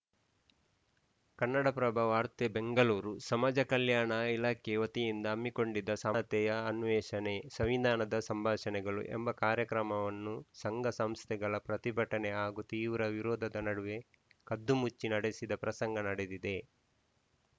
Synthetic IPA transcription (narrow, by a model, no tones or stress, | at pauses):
kɐnːɐɽɐpɾɐbʱaːʋaːɾt̪ebe̞ŋɡɐluːɾusɐmaːd͡ʒɐkɐljaːɳɐilaːkʰeʋɐt̪ijind̪ɐːmːiko̞ɳɖid̪ɐsat̪ɛjɐɐnʋɛːʃɐne̞sɐmʋid̪ʱaːnɐd̪ɐsɐmbʱaːʃɐnɛɡɐɭṵʔḛmbɐkaːɾjɐkɾɐmɐʋɐnːusɐŋɡʱɐsɐmst̪ʰɛɡɐɭɐpɾɐt̪ibʱɐʈɐnɛaːɡut̪iːʋɾɐʋiɾoːd̪ʱɐd̪ɐnɐɽuʋe̞ | kɐd̪ːumut͡ʃːinɐɽesid̪ɐpɾɐsɐŋɡɐnɐɽed̪id̪e̞